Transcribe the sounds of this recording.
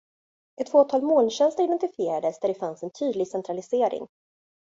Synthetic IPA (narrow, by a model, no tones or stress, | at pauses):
ɛt̪ːfoːt̪ʰɑːlmoːlɕɛnst̪əɾɪd̪ɛnt̪ɪfɪeːɾad̪əsd̪æɖɛfansɛnt̪ʰyːd̪lɪɡsɛnt̪ɾalɪseːɾɪ̰ŋ